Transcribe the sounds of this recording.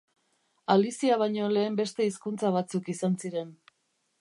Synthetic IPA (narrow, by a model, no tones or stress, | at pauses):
alisiaβ̞ajɲo̞le̞ːmbe̞st̪e̞iskunt͡saβ̞at͡sukisansiɾe̞n